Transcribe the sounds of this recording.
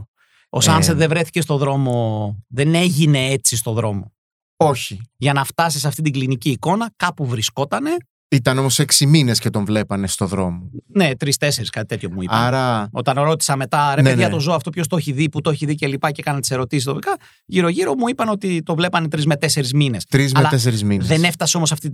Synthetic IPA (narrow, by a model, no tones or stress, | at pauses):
osɐnset̪ðevɾe̞θice̞st̪o̞ðɾo̞mo̞ðe̞ne̞ʝine̞et͡sist̪o̞ðɾo̞mo̞ | o̞çiʝɐnɐft̪ɐsiseɐft̪it̪iɡliniciːko̞nɐkɐpuvɾisko̞t̪ɐne̞ | it̪ɐno̞mo̞seksimine̞scet̪o̞ɱvle̞pɐne̞st̪o̞ðɾo̞̰mone̞t̪ɾist̪e̞se̞ɾiskɐt̪i̥t̪e̞t̪ço̞muḭɐɾɐo̞t̪ɐnɾo̞t̪i̥sɐme̞t̪ɐɾeeðiɐt̪o̞zoɐft̪o̞pço̞st̪oeçiðiput̪oeçiðicelipɐcekɐnɐt̪ise̞ɾo̞t̪isist̪opikɐ | ʝiɾo̞ʝiɾo̞muipɐno̞t̪it̪o̞vle̞pɐne̞t̪ɾizme̞t̪e̞se̞ɾizmine̞st̪ɾizmɐelɐt̪es̬eɾizminðe̞neft̪ɐseo̞mosɐft̪i